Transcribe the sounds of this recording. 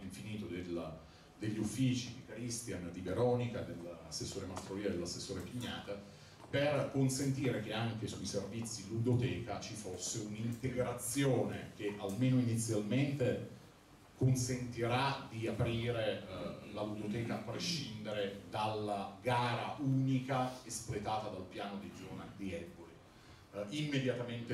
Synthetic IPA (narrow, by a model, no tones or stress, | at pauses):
iɱfiniːt̪od̪el | d̪eʎːiufːiːt͡ʃid̪ikɾist̪jand̪iveɾɔnikad̪elasːesːoːɾemast̪ɾoviːad̪elasːesːoːɾepiɲːaːt̪a | perkonsent̪iːɾek̟eaŋk̟esuiservit̪sːilud̪ot̪ɛːkat͡ʃifosːeunint̪eɡɾat̪sjoːnḛk̟eʔalmeːnoinit̪sːjalment̪e | konsent̪iɾad̪iapɾiːɾelalud̪ot̪ɛːkaːpːɾeʃind̪eɾed̪alːaɡaːɾaʔuːnikaesplet̪aːt̪ad̪alpjaːnod̪id͡ʒoːna̰d̪iɛbːoli | imːed̪jat̪ament̪e